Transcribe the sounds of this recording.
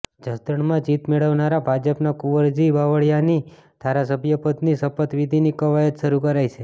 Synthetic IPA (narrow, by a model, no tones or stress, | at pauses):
d͡ʒʱəst̪əɳmãd͡ʒit̪meɭəʋnaɾabʱad͡ʒəpnakuʋəɾd͡ʒibaʋəɭjani | d̪̥ʱaɾasəbʱjəpət̪nisəpət̪ʋid̪ʱinikəʋajət̪ʃəɾukəɾajt͡ʃʰe